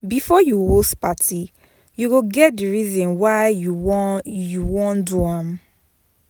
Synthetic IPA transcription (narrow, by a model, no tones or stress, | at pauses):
bifɔjuhostpatʰi | juɡoɡɛt̚diɹizɔ̃nwaɪjuɔjuwɔ̃nduãm